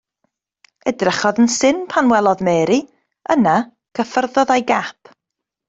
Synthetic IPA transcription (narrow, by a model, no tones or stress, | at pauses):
ɛdrəχɔðənsɪnpʰanwɛlˠɔðmɛːɾi | əna | kʰəfərðɔðajɡapʰ